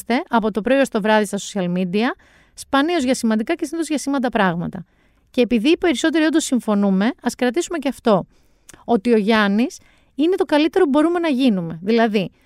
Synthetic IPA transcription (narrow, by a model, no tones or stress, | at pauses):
st̪e̞ʔɐpo̞t̪o̞pɾo̞iost̪o̞vɾɐðist̪ɐso̥siɐlmid̪iɐ | spɐnio̞zʝɐsimɐnd̪ikɐcesiniðozʝɐsimɐnd̪ɐpɾɐɣmɐ̰t̪ɐ | ce̞ːpiðipe̞ɾiso̞t̪̬e̞ɾiod̪o̞siɱfo̞nume̞ɐskɾɐt̪isume̞ceɐft̪o̞ | ot̪io̞ʝɐnis | ine̞t̪o̞kɐlit̪e̞ɾo̞pubo̞ɾume̞nɐʝinume̞ðilɐði